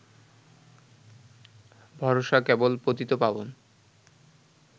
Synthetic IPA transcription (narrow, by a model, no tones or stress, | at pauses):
bʱɔɾoʃakɛbolpot̪it̪opabon